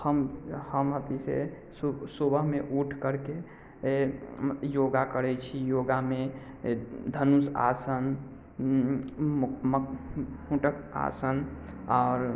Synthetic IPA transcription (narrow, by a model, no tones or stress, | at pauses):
həmhəmɦət̪isḛ | susubəɦmeʔuʈʰkəɾke | joɡakəɾɛt͡ʃʰijoɡame | d̪ʱənusa̰sən | mhũʈəka̰sən | aʊɾ